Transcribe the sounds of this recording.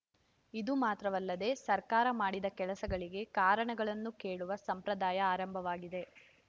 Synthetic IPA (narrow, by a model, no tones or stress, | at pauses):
id̪umaːt̪ɾɐʋɐlːɐd̪e̞sɐɾkaːɾɐmaːɽid̪ɐkɛlɐsɐɡɐɭiɡe̞kaːɾɐɳɐɡɐɭɐnːukeːɭuʋɐsɐmpɾɐd̪aːjɐaːɾɐmbʱɐʋaːɡid̪e̞